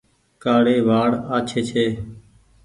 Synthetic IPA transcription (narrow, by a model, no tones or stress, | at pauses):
kaːɽeːʋaːɽaːt͡ʃʰeːt͡ʃʰeː